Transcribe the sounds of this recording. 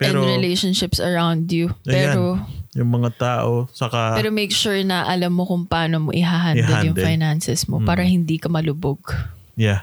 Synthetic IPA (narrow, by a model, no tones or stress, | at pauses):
pɛnɾd̪ɹɪlejʃonʃɪpsɐɹawnd̪jupɛːɾojʊŋmɐŋat̪aːʔot͡ʃɐkaɛːɾomejkʃuɹnɐʔɐlɐmːokʊŋpaːnomo̰ʔɪɦaɦanɛjʊŋfajnansɛsmopaːɾɐhɪnd̪iːkɐmɐlʊboɡ | ja